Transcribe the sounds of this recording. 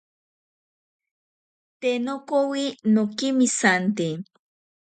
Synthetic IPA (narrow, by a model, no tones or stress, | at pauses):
t̪enokowinokimisant̪e